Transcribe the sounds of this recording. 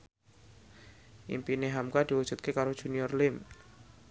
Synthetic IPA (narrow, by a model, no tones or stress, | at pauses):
ʔḭmpineɦamkad̪̥iwud̥ʒ̥ṳt̪̚kekaɾod̥ʒ̥ṳniɔrlɪm